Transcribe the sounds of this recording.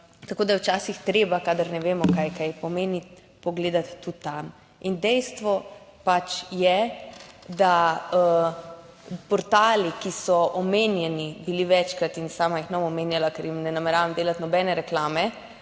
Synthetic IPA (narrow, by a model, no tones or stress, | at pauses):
t̪akoːd̪ajɛwt͡ʃaːsixt̪ɾeːbakad̪əɾnɛʋeːmɔkajkajpɔmeːni | pɔɡleːd̪at̪ːut̪ːam | ind̪ɛjst̪ʋɔ | pat͡ʃjɛ | d̪aə | pɔɾt̪aːlikisɔʔɔmeːnjɛnibiliʋɛt͡ʃkɾat̪insaːmajixnamɔmeːnjalakɛɾjimnɛnamɛɾaːʋamd̪eːlat̪nɔbɛːnɛɾɛklaːmɛ